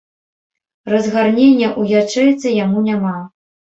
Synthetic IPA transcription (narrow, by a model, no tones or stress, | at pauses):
rɐzɣarnʲenʲːɐʔujat͡ʂɛjt̪sʲɐjamunʲama